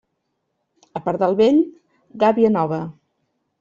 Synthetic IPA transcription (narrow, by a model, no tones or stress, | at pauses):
əpaɾd̪əlˠβeʎ | ɡaβiənɔβə